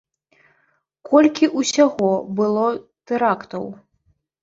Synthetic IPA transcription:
kɔlʲkʲiʔusʲaɣɔbɨlˠɔt̪ɛɾakt̪ɐw

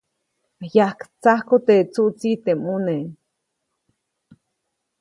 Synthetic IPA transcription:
ajahkt͡sahkot̪et͡suʔt͡sit̪emune

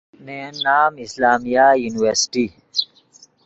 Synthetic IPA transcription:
nenːaːmislaːmijajuːniweɾsi̥ʈi

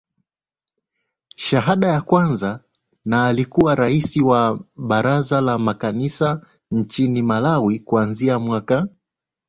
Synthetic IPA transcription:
ʃaɦaɗajakwanza | naːlikuwaɾaisiwaɓaɾazalamakanisa | n̩t͡ʃinimalawikuanziamwaka

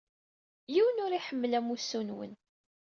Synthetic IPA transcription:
jiwənʊɾiħəmːlæmusːunwə̰n

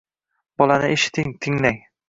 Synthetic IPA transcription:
b̥ɒlanɪʔeʃɪ̥t̪ʰɪŋt̪ʰɪŋlaŋ

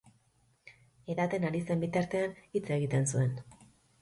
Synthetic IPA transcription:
e̞ðat̪e̞naɾise̞mbit̪aɾt̪e̞anit͡se̞ɣ̞it̪e̞nsue̞n

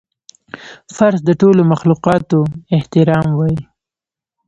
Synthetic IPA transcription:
faɾzd̪əʈolomaxluqɑt̪oɪht̪ɪɾɑmwɑji

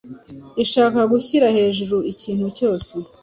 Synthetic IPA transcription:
iʃaːkaɡuçiɾahe̞ːʒuɾuiciːn̥huco̞ːse

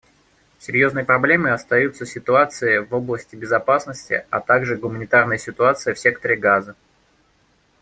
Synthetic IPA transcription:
sʲɪɾʲjo̞znəjəpɾɐblʲe̞mɨɐst̪ɐjut̪səsʲɪt̪ʊat̪sɨɪvo̞blˠəsʲtʲɪbʲɪzɐpasnəsʲtʲɪ̰ɐ̰t̪aɡʐɨɡʊmənʲɪt̪arnəjəsʲɪt̪ʊat̪sɨjəfsʲek̚t̪əɾʲɪɡazə

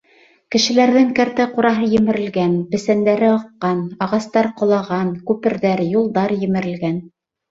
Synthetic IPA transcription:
kɘ̆ʃɘ̆læɾðɘŋkæɾt̪æquɾɑɦɤjɘ̆mɘ̆ɾɘ̆lɡænbɘ̆sænd̪æɾɘɑqːɑnɑʁɑst̪ɑɾqŏlˠɑʁɑnkʉpɘ̆ɾðæɾjulˠd̪ɑɾjɘ̆mɘ̆ɾɘ̆lɡæn

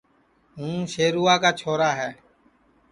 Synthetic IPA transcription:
ɦũːʃeːɾuːaːkaːt͡ʃʰoːɾaːɦɛː

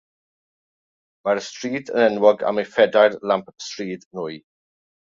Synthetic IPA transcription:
maɾəstriːdʰə̰nɛnwɔɡa̰mefɛdarlampstriːdnʊj

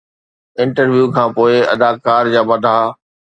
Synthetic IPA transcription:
ɪ̃ɳʈəɾʋjuːkʰãːpoːɪɐ̰d̪aːkaːɾd͡ʑaːbɐd̪ʱaː

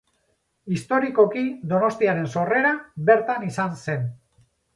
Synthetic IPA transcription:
ist̪o̞ɾiko̞kid̪o̞no̞st̪iaɾe̞nso̞re̞ɾabe̞ɾt̪anisanse̞n

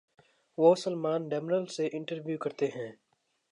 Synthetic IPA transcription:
ʋoːsəlmaːnɖɛːmɪnəlseʔɪ̃ɳʈəɾʋjukɐɾt̪eɦɛ̃ː

